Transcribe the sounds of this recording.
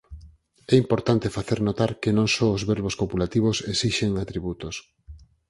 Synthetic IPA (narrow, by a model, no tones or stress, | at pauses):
ɛimpoɾt̪ant̪efaθeɾnot̪aɾkenõŋsɔozβeɾβoskopulat̪iβ̞osesiʃeŋat̪ɾiβut̪os